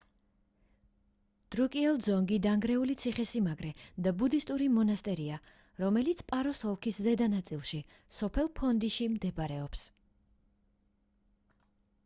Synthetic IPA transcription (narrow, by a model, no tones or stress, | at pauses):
d̪̥ɾukʼiɛlˠd̪zɔŋɡid̪aŋɡɾɛulit̪sʰiχɛsimaɡɾɛd̪abud̪ist̪ʼuɾimɔnast̪ʼɛɾia | ɾɔmɛlit̪sʰpʼaɾɔsɔlˠkʰiszɛd̪anat̪sʼilˠʃi | sɔpʰɛlˠpʰɔnd̪iʃimd̪ɛbɾɛɔps